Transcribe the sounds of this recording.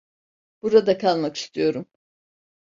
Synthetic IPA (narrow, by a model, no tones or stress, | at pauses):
b̥uɾad̪akʰalˠmaki̥st̪ʰijo̞ɾum